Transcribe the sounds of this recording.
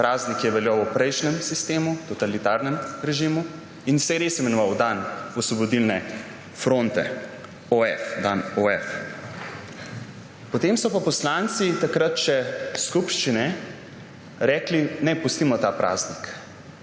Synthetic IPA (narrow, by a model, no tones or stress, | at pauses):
pɾʔaːznikjɛʋɛljawupɾɛjʃnɛmsist̪eːmut̪ɔt̪alit̪aːɾnɛmɾɛʒimu | insɛjɛɾesimɛnɔʋawd̪anɔsʋɔbɔd̪ilnɛ | fɾont̪ɛ̰ | oɛfd̪anoɛf | pɔt̪emsɔpapɔslant̪sit̪akɾat̪ʃɛskupʃt͡ʃinɛ | ɾɛːklinɛpust̪imɔt̪aːpɾʔa̰ːznik